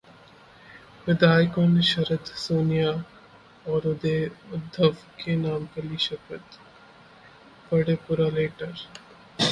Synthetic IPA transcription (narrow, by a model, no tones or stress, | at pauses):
ʋɪd̪aːjkonʃɐɾət̪soːnija | ɔːɾʊd̪eʊd̪ʱːəʋkenaːmkɐliʃəpət̪ | pɐɽepuɾaleːʈəɾ